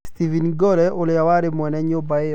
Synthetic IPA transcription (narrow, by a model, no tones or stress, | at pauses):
st̪ivinɡɔlɛʔoljawaɾɪmwɛnɛɲobaɪ